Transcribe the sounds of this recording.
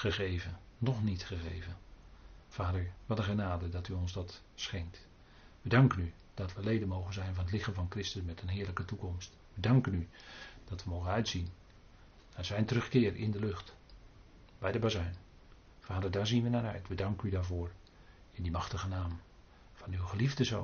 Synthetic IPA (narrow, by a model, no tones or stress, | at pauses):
χəɣejvənnɔχnitχəɣejvən | vaːdəɹʋɑtəχənaːdədɑtyɔnzdɑt | sχɛŋk̚t | ʋədɑŋkəny | d̥ɑtʋəlejdənmowχənzɛjnvɑnətlɪχənvɑnkrɪstəsmɛtənɦɪːɹləkətukɔmst | ʋədɑŋkənyd̥ɑtʋəmowɣənœɥtsin | naːzɛjntərɵχkɪːrɪ̰ndəlɵχt | bɛjdəbazɛɥn | faːdəɹdaːɹzinʋənaɹœɥtʋədɑŋkənydaːɹvʊːɹ | ɪndimɑχtəɣənaːm | v̥ɑnywχəlivdəzo̰ːn